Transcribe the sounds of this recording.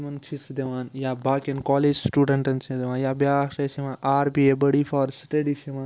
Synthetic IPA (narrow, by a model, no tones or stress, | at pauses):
mɐnt͡ʃʰisid̪eʋaːnjaːbaːkɐnkɔːleːd͡ʒsʈuːɖɐɳʈɐnt͡ʃʰid̪eʋãːnjaːbjaːʃɐseʋãːnʔaːɾbiebɐɽifaːɾsʈeɖiseʋaː